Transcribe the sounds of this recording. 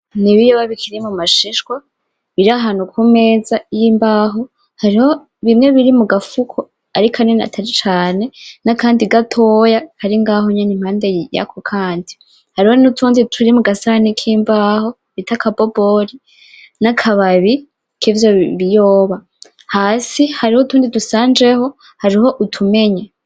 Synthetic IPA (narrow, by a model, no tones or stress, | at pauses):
niβijoːβaβikʰiɾimumaʃiʃkwa | βiɾaɦaːnhukʰume̞ːzajiːmbaːɦo̞ | haɾiho̞ | βimŋe̞βiɾimuɡafukʰo | aɾikʰanena̰tʰaɾit͡ʃaːne̞nakaːndiɡatʰo̞jahaɾiŋɡaɦoɲenim̥haːnde̞ja̰kʰokʰaːndi | haɾihonnutʰuːnditʰuɾimuɡasanikʰiːmbaho̞ | βitakʰabo̞bo̞ɾi | nakʰaβaβi | kʰivjoβijoːβa | haːsihaɾihotuːndidusaːnd͡ʒe̞ho̞ | haɾiɦo̞ʔutʰume̞ɲe